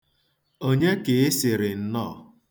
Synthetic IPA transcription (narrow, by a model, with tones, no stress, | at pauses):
o˦ɲe˦ke˨ɪ˦sɪ˨ɾɪ˨n̩˦nɔː˦˨